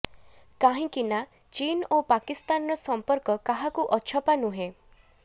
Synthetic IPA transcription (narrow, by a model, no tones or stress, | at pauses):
kaɦĩkina | t͡ʃinopakist̪anɔɾɔsɔmpɔɾkɔkaɦakuʔɔt͡ʃʰɔpanuɦe